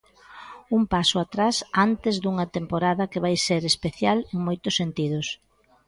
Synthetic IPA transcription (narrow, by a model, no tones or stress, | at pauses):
umpasʊat̪ɾasant̪ezðuŋɐt̪empoɾaðɐkeβajseɾespeθjaleŋmojt̪ʊsːent̪iðʊs